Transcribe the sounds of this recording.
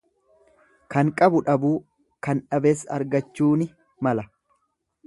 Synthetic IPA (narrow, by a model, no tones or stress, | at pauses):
kɐŋkʼɐbʊᶑɐbuː | kɐnᶑɐbeːsɐɾɡɐt͡ʃːuːnɪ | mɐlɐ